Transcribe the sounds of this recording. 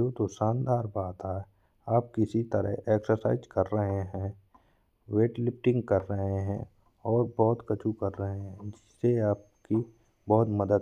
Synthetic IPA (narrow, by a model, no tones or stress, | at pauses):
oːt̪osaːnd̪aːɾbaːt̪aɦɛ | aːp̚kɪsit̪əɾə̰ɦeːksəɾsa̰ːɪzkɐɾːəɦeɦɛ̃ː | weːʈlɪp̚ʈɪ̃ŋɡkɐɾːəɦeɦɛ̰̃ | ɔːɾbɔːt̪kət͡ʃʰukɐɾːəɦeɦɦɛ̃d͡ʒɪsːeaːp̚ | ki | bɔːt̪mɐd̪əd̪